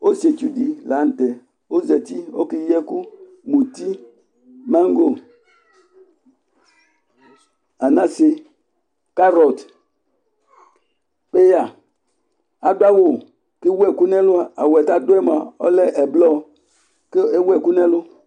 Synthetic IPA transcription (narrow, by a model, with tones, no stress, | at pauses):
o˦se˨t͡ʃu˨di˨la˨˦n̩˦tɛ˨ | o˦zɛ˨ti˦o˦ki˦jɛ˦ku˦ | mu˨ti˦ | ma˦ŋ˦ɡo˦ | a˨na˦se˦ | ka˦ɾɔ˨t | pe˦ja˨ | a˨dwa˦wo˦˨ | ki˦wɛ˦˨ku˦nɛ˦lʊ˦a˦˨a˨wɛ˨ta˦dɛ˦m˨a˨ɔ˦lɛ˦ʔɛ˨blɔ˦ | ke˦wɛ˨ku˦nɛ˦lʊ˦